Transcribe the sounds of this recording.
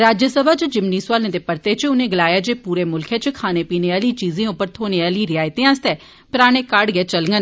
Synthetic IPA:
ɾaːd͡ʒjəsəbʱaːt͡ʃd͡ʒɪmniːsʋaːlẽːd̪eːpəɾt̪eːt͡ʃʊnẽːɡəlaːjaːd͡ʒeːpuːɾeːmʊlkʰeːt͡ʃkʰaːneːpiːneːaːliːt͡ʃiːzẽːʊpːəɾt̪ʰoːneːaːliːɾɪaːɪt̪ẽːãːst̪ɛː | pəɾaːɽ̃eːkaɖɡɛːt͡ʃəlŋɡən

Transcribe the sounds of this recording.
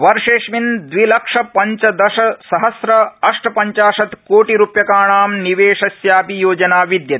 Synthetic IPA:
ʋɐɾʂeːʂmind̪ʋilɐkʂɐpɐɲt͡ʃɐd̪ɐʃɐsɐɦɐsɾɐɐʂʈɐpɐɲt͡ʃaːʂɐt̪koːʈiɾupjɐkaːɳaːmniʋeːʂɐsjaːpijoːd͡ʒɐnaːʋid̪jɐt̪i

